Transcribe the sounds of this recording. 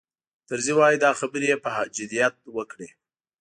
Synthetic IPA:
t̪əɾzewɑjid̪ɑxabəɾejepəhad͡ʒʊd̪ijat̪̚wəkɽe

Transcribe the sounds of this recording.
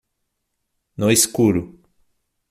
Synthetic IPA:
noiskuɾʊ

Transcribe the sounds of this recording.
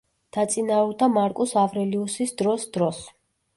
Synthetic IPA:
d̪̥at̪sʼinaɔɾd̪amaɾkʼusavɾɛliusisd̪ɾɔsd̪̥ɾɔs

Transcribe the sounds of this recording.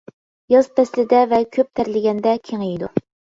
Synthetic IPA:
jɑzpʰɛslɪd̪ɛvɛkʲʰøp̚t̪ʰæɾlɪɡʲɛnd̪ɛkʲʰeŋejid̪u

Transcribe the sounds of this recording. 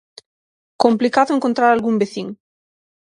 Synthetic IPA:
komplikaðoeŋkont̪ɾaɾalɣumbeθiŋ

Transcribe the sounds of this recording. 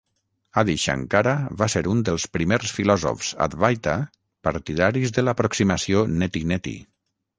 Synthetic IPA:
aðiʃa̰ŋkaɾaβaseɾund̪əlˠspɾimeɾsfilɔzo̰fz̥a̰t̪βajt̪a | paɾt̪iðaɾizðəlapɾoksimasionet̪inet̪ḭ

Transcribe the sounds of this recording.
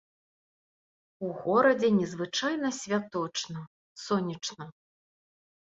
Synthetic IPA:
uɣɔɾɐd͡zʲɛnʲɛzvɨt͡ʂajnɐsʲvʲat̪ɔt͡ʂnɐ | sɔnʲɐt͡ʂnɐ

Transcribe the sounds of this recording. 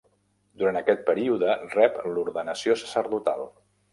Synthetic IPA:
d̪uɾant̪əkɛt̪̚pəɾiuðərɛpluɾðənəsiosə̥səɾðut̪a̰lˠ

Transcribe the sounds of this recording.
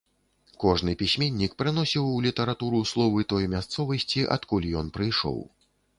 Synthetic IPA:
kɔʐnɨpʲisʲmʲenʲːikpɾɨn̪ɔsʲiwulʲit̪ɐɾat̪uɾuslˠɔvɨt̪ɔjmʲast̪sɔvɐsʲt͡sʲiʔɐ̰t̪kulʲijɔnpɾɨjʂɔ̰w

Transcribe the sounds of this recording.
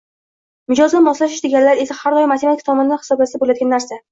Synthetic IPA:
mʊd͡ʒɒzɪmɒslaʃɪʃd̪eɡʲanlaɾe̞sahaɾɒjmat̪ʰemat̪ʰik̚ʲt̪ʰɒmɒnɪd̪anhɪ̥sɒblasd̪abolajd̪ɡʲanːaɾsa

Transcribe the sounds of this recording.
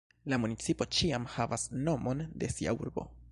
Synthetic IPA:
lamunit͡sipo̞t͡ʃiamhavasno̞mʔo̞nde̞sia̰ṵɾbo̞̰

